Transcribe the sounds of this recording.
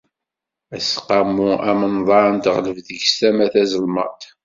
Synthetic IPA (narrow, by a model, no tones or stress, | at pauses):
æsqɑmːuæmənðˤɑɾˤnt̪ʁləvðəʝstæmæθæzəlmə̰ɾt̪